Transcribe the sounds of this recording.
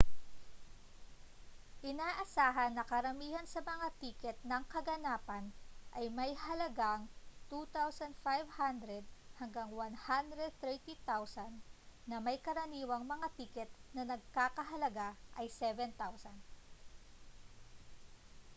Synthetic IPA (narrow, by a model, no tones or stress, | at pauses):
ʔɪnaːʔɐsaːɦɐnːɐkɐɾɐmiːhɐnsɐmɐŋat̪iːkɛt̪̚nɐŋkɐɡɐnaːpɐnʔɐjmɐjhɐlɐɡaŋt̪ut̪awsɐnd̪fajvhand̪ɾɛd̪̚hɐŋɡaŋwanhand̪ɾɛd̪̚t̪ɾɛt̪it̪awsɐnːɐmɐjkɐɾɐniːwɐŋmɐŋat̪iːkɛt̪nɐnɐɡ̚kaːkɐɦɐlɐɡaʔɐjsɛvɛnt̪awsɐn